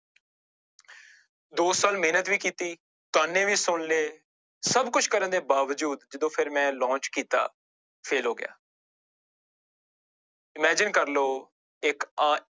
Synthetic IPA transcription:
d̪oːsaːlmeːnət̪ʋiːkiːt̪iː | t̪ʊaːnːẽːʋiːsʊɳleː | səbkʊt͡ʃʰkəɾə̃nd̪eːbaːʋəd͡ʒuːd̪d͡ʒɪd̪õːpʰɪɾmɛ̃ːlɔ̃ːt͡ʃkiːt̪a̰ː | pʰeːlɦoːɡɪja̰ː | ɪmɛːd͡ʒɪnkəɾloː | ɪkː

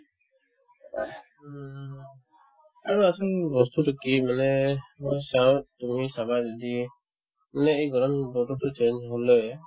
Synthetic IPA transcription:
aɾɔasɔlbɔst̪utɔkimanɛmɔjsawt̪umisabajd͡ʒɔd̪i | manɛejɡɔɾɔnbɔʈɔtɔt͡ʃend͡ʒɦɔlɔ

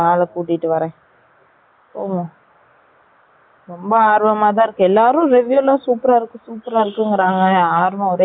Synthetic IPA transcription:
aːlɐkuːʈːɪʈːɯʋɐɾɛ̃ː | poːmã | ɾɔmbɐaːɾʋɐmaːt̪̬ãːɪɾɯkːɛlːaːɾʊ̃ɾɛʋjuːlãːsuːpɾaːɪɾɯkːɯ̃suːpɾaːɪɾɯkːɯŋɡɪɾaːŋɡɐaːɾʋɐ̃ɔɾe

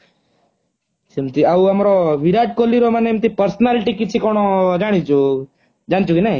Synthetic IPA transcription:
semt̪iauɐmɾoʋiɾaʈ̪̚koliɾomənemt̪ipəɾsnalʈikit͡ʃʰikoɽ̃od͡ʒaɽ̃it͡ʃʰu | d͡ʒañt͡ʃʰukinaĩ

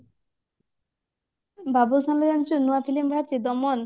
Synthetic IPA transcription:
babusambid̪ʱant͡ɕunuapʰilimbʱaɾt͡ɕid̪ɔmɔn

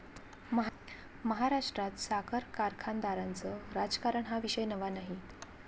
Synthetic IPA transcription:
mə | məɦaɾaʂʈɾat̪sakʰəɾkaɾkʰand̪aɾant͡səɾad͡zkaɾəɳɦaʋiɕəjnəʋanaɦi

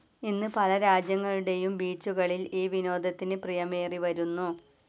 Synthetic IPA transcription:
inːɨpɐlɐɾaːd͡ʑjɐŋːɐɭuɽe̞jumbiːt͡ɕːuɣɐɭiliːʋino̞ːd̪ʱɐt̪ːinɨprijɐme̞ːriʋɐɾunːu

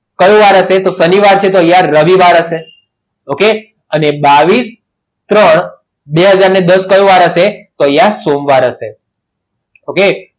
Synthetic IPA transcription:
kəjũʋaɾəʃet̪osəniʋaɾt͡ʃʰet̪ojãɾəʋiʋaɾəʃe | oke | ənebaʋis | t̪ɾəɳ | beɦəd͡ʒaɾned̪əskəjõʋaɾəʃet̪ojasomʋaɾəʃe | oke

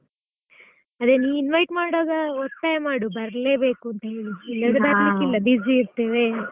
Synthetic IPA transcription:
ɐd̪eniːʋinʋɐjʈmaːɽoːɡɐɔt̪ːaːjɐmaːɽubɐɾle̞ːbe̞ːkuɐnt̪ɐɦe̞ːɭiilːɐɡ̪baɾlikːilːɐbid͡ʒiːɾt̪eːʋe

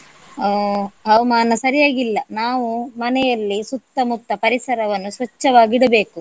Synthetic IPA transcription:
ɦɐʋɐmaːnɐsɐɾijaːɡilːɐnaːʋumɐnɛjɐlːisut̪ːɐmut̪ːɐpɐɾisɐɾɐʋɐnːusʋɐt͡ʃːɐʋaːɡiɽɐbe̞ːku

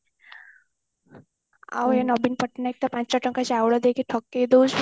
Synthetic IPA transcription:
a̰wjenɔbinpəʈnaek̚t̪apãt͡ɕt͡ɕaʈəŋkat͡ɕiawɽəd̪ekeʈʰɔkːed̪od͡ʑ

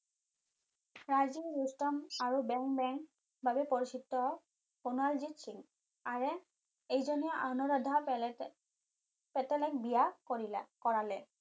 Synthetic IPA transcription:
ɹaziɔɹustɔmaɹubɛŋkbɛŋk | bʱabɛpɔɹisitːɔ | ponalzitsiŋ | aɹɛ | ejzɔnijɔʔanɔɹadʱa | pɛtɛlɛk̚bijakoɹilakɔɹalɛ

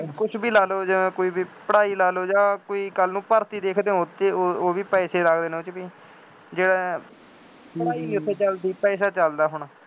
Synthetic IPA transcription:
kʊt͡ʃʰbiːlaːloːd͡ʒəẽːkoːiːbiːpəɽaːiːlaːloːd͡ʒãːkoːiːkəlnũːpəɾt̪iːd̪eːkʰd̪ẽːot̪ʰeːoːʋiːpɛːseːɾakʰd̪eːneʊt͡ʃbiː | d͡ʒeːɽaː | pəɽaːiːnĩːʊt̪ʰːeːt͡ʃəld̪iːpɛːs̬aːt͡ʃəld̪aːɦʊɳaː

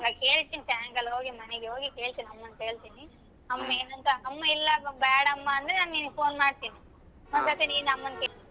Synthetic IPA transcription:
lɐke̞ːɭt̪iːnisaːŋɡɐlɦoːɡimɐnɛɡeɦoːɡike̞ːɭt̪iːniɐmːɐnke̞ːɭt̪iːni | ɐmːɐeːnɐnt̪ɐʔɐmːɐilːɐbɛɽɐɐmːɐːnd̪ɾenaːnniːniɡpo̞ːnmaːɽt̪iːni | ɔnsɐt̪iniːnɐmːɐnke

